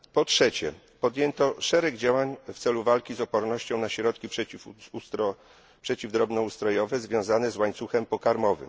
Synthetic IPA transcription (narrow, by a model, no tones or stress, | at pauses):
pɔtʂɛt͡ɕɛ̰ | pɔd̪ʲjɛnt̪ɔʂɛɾɛɡd͡ʑawaɲft̪sɛluvalkʲizɔpɔɾnɔɕt͡ɕɔ̃w̃naɕɾɔt̪kʲipʂɛut̪ɾɔ | pʂɛt͡ɕivd̪ɾɔbnɔust̪ɾɔjɔvɛzvʲjɔ̃w̃zanɛzwaɲt̪suxɛmpɔkaɾmɔvɘ̰m